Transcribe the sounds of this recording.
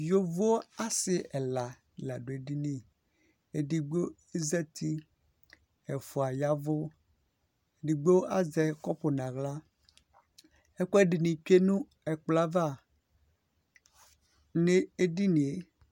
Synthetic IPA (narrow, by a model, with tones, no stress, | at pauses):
jo˦vo˦o˦a˦sɪ˦ɛ˨la˨ | la˨ɖo˨e˨ɖi˦nĩ˦ | e˨ɖi˨ɡ͡bo˦ | e˦zɛ˦t̪ʰi˦ | ɛ˨fo˨a˨ja˦vo˦ | e˨di˨ɡ͡be˦wo˦ʔa˦zɛ˨kɔ˦ɸo˨nã˨ɣla˦ | ɛ˦kɔ˦ɛ˦ɖi˨nĩ˨t͡ʃe˦nũ˦ | ɛ˨k͡pla˦va˦˨ | nẽ˦e˦ɖi˦nĩ˨e˨